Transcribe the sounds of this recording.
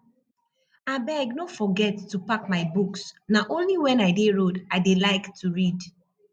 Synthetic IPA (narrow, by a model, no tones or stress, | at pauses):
abɛɡnofɔɡɛtːupak̚maɪbuksnaʔõnliwɛ̃naɪdeɹodaɪdelaɪktʰuɹid